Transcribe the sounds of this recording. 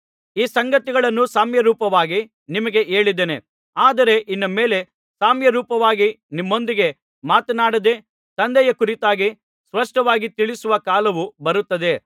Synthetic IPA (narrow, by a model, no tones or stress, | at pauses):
iːsɐŋɡɐt̪iɡɐɭɐnːusaːmjɐɾuːpɐʋaːɡi | nimɐɡe̞ʔe̞ːɭid̪ene | aːd̪ɐɾe̞ʔinːɐme̞ːle̞ | saːmjɐɾuːpɐʋaːɡinimːo̞nd̪iɡe̞ | maːt̪ɐnaːɽɐd̪e̞ | t̪ɐnd̪ɛjɐkuɾit̪aːɡi | sʋɐʂʈɐʋaːɡit̪iɭisuʋɐkaːlɐʋubɐɾut̪ːɐd̪e̞